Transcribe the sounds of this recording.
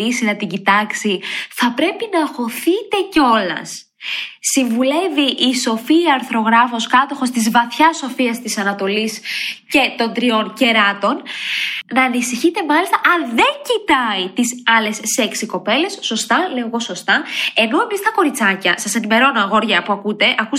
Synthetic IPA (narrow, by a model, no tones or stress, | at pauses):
ɾisinɐt̪iɟit̪ɐksiθɐpɾe̞pinɐxo̞θit̪e̞ceo̞lɐ̰s | siɱvule̞viʔːso̞fiɐːɾθɾo̞ɣɾɐfo̞skɐt̪o̞xo̞st̪izvɐθçɐso̞fiɐst̪isɐnɐt̪o̞lisce̞t̪o̞nd̪ɾio̞nce̞ɾɐt̪o̞n | nɐːnisiçit̪e̞mɐlist̪ɐʔɐnðe̞ɲcit̪ɐit̪isɐle̞sːeksiko̞pe̞le̞sːo̞st̪ɐle̞oɣo̞so̞st̪ɐe̞no̞e̞mist̪ɐko̞ɾit͡sɐcɐsɐse̞nime̞ɾo̞noɐɣo̞ɾʝɐpuɐkut̪e̞ʔɐku